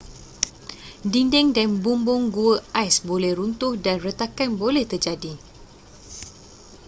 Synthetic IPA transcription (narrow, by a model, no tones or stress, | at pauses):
dindɛŋdanbumbʊŋɡuəajsbolɛhrunt̪ʊhdanrət̪akanbolɛht̪ərd͡ʒadi